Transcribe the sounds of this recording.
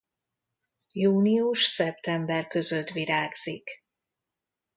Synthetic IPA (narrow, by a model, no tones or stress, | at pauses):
juːniuʃsɛpt̪ɛmbɛrkø̞zøt̪viɾaːɡz̥ik